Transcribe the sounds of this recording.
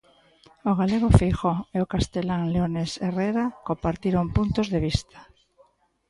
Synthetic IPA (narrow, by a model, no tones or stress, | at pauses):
oɣaleɣ̞ofejxoeokast̪elaŋleonesereɾakompaɾt̪iɾoŋpunt̪ozðeβ̞ist̪ʰḁ